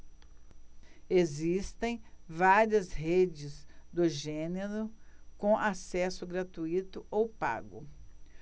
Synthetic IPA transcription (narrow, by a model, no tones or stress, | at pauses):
ezist̪ẽj̃vaɾiɐzɦed͡ʒɪzd̪ʊʒẽneɾʊkõʔasɛsʊɡɾat̪uit̪ʊowpa̰ɡʊ̰